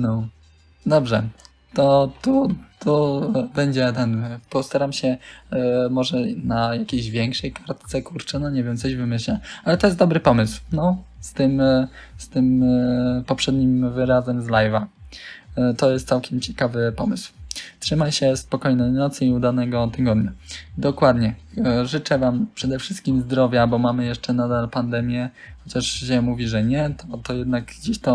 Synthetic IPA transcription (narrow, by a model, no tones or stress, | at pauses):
nɔ | d̪ɔbʐɛ | t̪ɔt̪ut̪ubɛɲd͡ʑɛt̪ɛnpɔst̪aɾamɕɛ | mɔʐɛnajakʲejʑvʲjɛŋkʂɛjkaɾt̪t̪sɛkuɾt͡ʂɛnɔɲɛvʲjɛmt̪sɔʑvɘmɘɕlɛalɛt̪ɔjɛst̪d̪ɔbɾɘpɔmɘswnɔst̪ɘmst̪ɘm | pɔpʂɛd̪ɲimvɘɾazɛmzlajva | t̪ɔjɛst̪sawkʲɛmt͡ɕɛ̥kavɘpɔmɘswtʂɘmajɕɛspɔkɔjnɛjnɔt̪siud̪anɛɡɔt̪ɘɡɔd̪ɲad̪ɔkwad̪ɲɛʐɘt͡ʂɛvampʂɛd̪ɛfʂɘst̪̚kʲimzd̪ɾɔvʲjabɔmamɘjɛʂt͡ʂɛnad̪alpand̪ɛmʲjɛ | xɔt͡ɕaʂɕɛmuvʲiʐɛɲɛt̪ʰɔt̪ɔjɛd̪naɡɡd͡ʑeɕt̪ɔ